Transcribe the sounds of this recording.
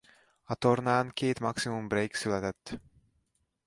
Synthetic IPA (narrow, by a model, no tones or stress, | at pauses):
ɑt̪oɾnaːnkeːt̪mɑksimumbɾejksylæt̪ɛt̪ː